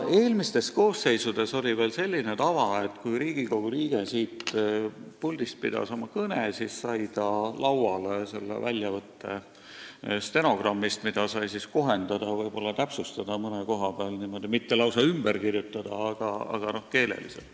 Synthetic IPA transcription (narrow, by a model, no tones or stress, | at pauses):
e̞ːlmist̪e̞sko̞ːsːe̞jsud̪̥e̞so̞lʲive̞ːlse̞lʲːinet̪ɑvɑe̞t̪kujɾiːɡ̥iko̞ɡ̥uliːɡ̥esiːt̪ | pulʲd̪̥ist̪̚pḭd̪̥ɑ̰so̞mɑkɤnesissɑjt̪ɑlɑwɑlese̞̰lːḛvælʲjɑvɤt̪ːe̞̰ | st̪e̞no̞ɡ̥rɑmːist̪mid̪̥ɑsɑjsisko̞ɦe̞nd̪̥ɑd̪̥ɑvɤjb̥o̞lːɑt̪æpsust̪ɑd̪̥ɑmɤneko̞ɦɑbeɑlnimo̞d̪̥imit̪ːelɑwsɑymb̥e̞ɾkirjut̪ːˑɑd̪̥ɑɑɡ̥ɑɑ̰ɡ̥ɑno̞hke̞ːlḛlḭsḛlt̪